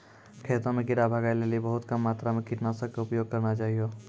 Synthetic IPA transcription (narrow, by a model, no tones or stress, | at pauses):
kʰeːt̪õmẽkɪɾabʱaɡajleːlibəɦʊt̪kəmːaːt̪ɾamẽkɪʈnasəkkaʊpjoːɡ̚kɐɾnat͡ʃaːɦijo